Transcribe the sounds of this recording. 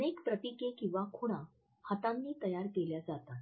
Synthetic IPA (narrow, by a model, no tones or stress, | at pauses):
nekpɾəp̪ikekĩw̃ʋakʰoɽ̃ã | hat̪ãnːiːt̪əjaɾkeljad͡zat̪at̪